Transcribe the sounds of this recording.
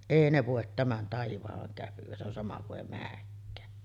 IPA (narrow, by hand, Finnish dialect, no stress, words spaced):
eˑi ne ʋoˑet tæmæn tɑiʋɑhɑŋ kæpyʋ̆æ se on sɑmɑ kuʔ ʔeˑi mæːkːæː